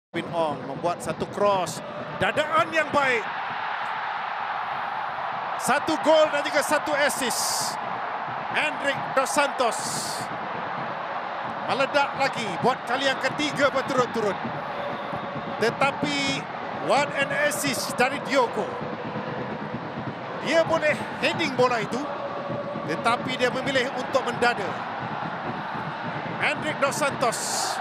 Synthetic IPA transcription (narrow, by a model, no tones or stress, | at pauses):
pinɔŋməmbuat̪̚sat̪ukɾɔs | dadaʔanjaŋbaɪk̚ | sat̪uɡoldad͡ʒuɡasat̪uɛsɪs | hɛndɾɪk̚dɔsant̪ɔs | mələdaʔlaɡibuat̪̚kaliaŋkət̪iɡabət̪uɾʊnt̪uɾʊn | t̪ət̪api | wanɛnəsɪsdaɾidioko | diabolɛhhedɪŋbolait̪u | t̪ət̪apidiamə̃milɪhunt̪ʊk̚mə̃ndada | ʔɛ̃ndɾɪk̚dɔʔ̚sant̪ɔs